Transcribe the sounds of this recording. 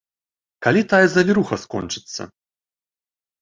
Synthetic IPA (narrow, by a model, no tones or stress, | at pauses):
kalʲit̪ajɛzɐvʲiɾuxɐskɔ̰nt͡ʂɨ̥t̪sːɐ̰